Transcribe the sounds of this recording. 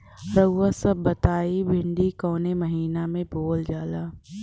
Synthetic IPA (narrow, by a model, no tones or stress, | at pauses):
ɾəɡwasɐbbɐt̪aːibʱɪ̃ɳɖikɔːnemɐɦiːnamẽboːld͡ʒaːlaː